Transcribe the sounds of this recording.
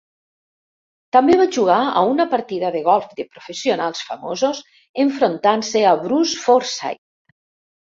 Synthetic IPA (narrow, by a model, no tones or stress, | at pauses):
t̪ambeβaʒuɣ̞aa̰unapaɾt̪iðaðeɣɔlˠfd̪epɾofesionalˠsfamozos | eɱfɾont̪anseaβɾusfoɾsa̰j